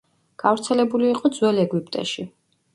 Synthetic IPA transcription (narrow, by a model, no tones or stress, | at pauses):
ɡ̥avɾt̪sʰɛlɛbuliːqʼɔd̪zwɛlɛɡwipʼt̪ʼɛ̰ʃi